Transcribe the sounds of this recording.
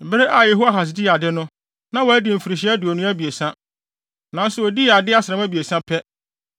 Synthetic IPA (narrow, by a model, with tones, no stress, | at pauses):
bɾe˦ʔa˨jɛ˨ɦu˦a˦ɦa˨s̬ɪ˨di˦˨a˨dɪ˦nʊ̃˦ | nã˦wæ˦dɪ˨m̩˨fi˨ɾi˨ɕ̬i˦æ˦dʊ˨ɔ˨nʊ̃˦æ˦bi˨e˨sã˦ | nã˨˦n̩˦sʊ˨ɔ˨di˦˨a˨dɪ˦a˦sɪ˨ɾɛ̃˨˦mæ˦bi˨e˨sã˦pʰɛ˦